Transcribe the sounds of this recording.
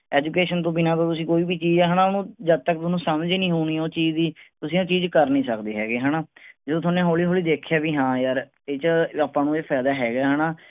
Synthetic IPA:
ɛːd͡ʒuːkeːʃənt̪õːbɪnãːt̪õːt̪ʊsĩːkoːiːbiːt͡ʃiːd͡ʒɛːɦaːnãːʊnũːd͡ʒəb̚t̪ək̚t̪ʊsnũːsəmd͡ʒiːnĩːɦuːñiːoːt͡ʃiːd͡ʒd̪iːt̪ʊsĩːõːt͡ʃiːd͡ʒkəɾnĩːsəkd̪iːɦɛ̰ːɡeːɦaːnaːd͡ʒəːd̪oːoːnẽːɦoːliːɦoːliːd̪eːkʰjaːbiːɦãːjəɾ | eːt͡ʃaːpːãːnũːepʰɛːd̪aːɦɛːɡaːɦaːnaː

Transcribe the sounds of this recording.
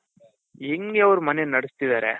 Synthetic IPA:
eŋɡeɐʋɐɾumɐnenɐɽist̪id̪aːɾḛ

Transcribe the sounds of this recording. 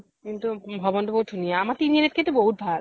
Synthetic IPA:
kint̪ubʱɔbont̪opotʰːonijeamaɾt̪inieɾeɾkʰet̪ːɾeboɦut̪̚bʱaɾ

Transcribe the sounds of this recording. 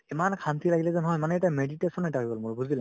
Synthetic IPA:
imankʰantʰilaɡilɛzanɦɔjmanɛɛtameditesɔnɔtaɦibɔlmʊɹbuzil

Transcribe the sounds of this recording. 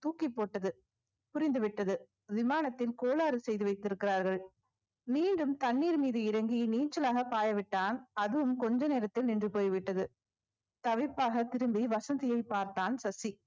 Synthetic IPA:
t̪uːkɪpːoːʈːɐðɯ | pʊɾɪnd̪ɯʋɪʈːɐðɯ | ʋɪmaːnɐt̪ːɪlkoːlaːɾɯsɛjðɯʋɐɪt̪ːɪɾɯkːɪɾaːɾɣɐɭ | miːɳɖɯmt̪ɐɳːiːɾmiːðɯɪɾɐŋɡiniːt͡ʃːɐlaːɣɐpaːjɐʋɪʈːaːnɐðɯʋɯmkɔɲd͡ʒɐneːɾɐt̪ːɪlnɪndrɯpoːjʋɪʈːɐðɯ | t̪ɐʋɪpːaːɣɐt̪ɪɾɯmbiʋɐsɐnd̪ɪjɐɪpːaːɾt̪aːnsɐsi

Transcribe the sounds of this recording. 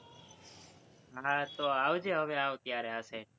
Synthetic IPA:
ɦãt̪oaːʋd͡ʒeːɦəʋeãʋt̪jaːɾeəse

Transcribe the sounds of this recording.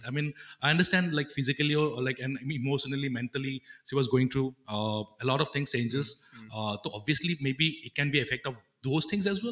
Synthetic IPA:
aɪmĩːnaɪɐ̃ɳɖəstʈæ̃nɖlaɪkfɪzɪkəliɔlaɪkɛ̃nɪmoːʃənəlimɛ̃nʈəliʃiʋɔzɡoːɪ̃ŋt̪ʰɾuːʌəlɔːʈɔʋ̥t̪ɪ̃ŋst͡ʃẽːnd͡ʒəzt̪oːɔbiəslimeːbiɪʈ̚kɛ̃nbiɪfɛk̚ʈɔf | d̪oːzt̪ʰɪ̃ŋs̬ɛzwɛl

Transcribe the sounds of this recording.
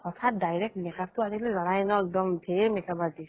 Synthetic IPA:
ɔt̪ʰat̚dajɹɛk̚tmɛkap̚tʊaɾiklɛzɔnajnɔɛk̚dɔmbʱemɛkabadi

